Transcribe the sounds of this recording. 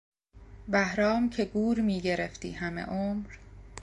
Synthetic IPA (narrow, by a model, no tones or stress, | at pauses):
bæhɾɒːmcʰe̞ɡuːɾmiːɟe̞ɾeft̪ḭːɦæmḛʔomɾ